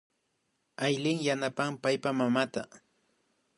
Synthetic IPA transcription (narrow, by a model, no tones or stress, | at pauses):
ajlɪŋjanapampajpamamat̪a